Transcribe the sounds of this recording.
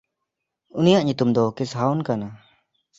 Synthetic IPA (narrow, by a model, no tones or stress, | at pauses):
unijaʔɲut̪umd̪ɔkisɦawnkana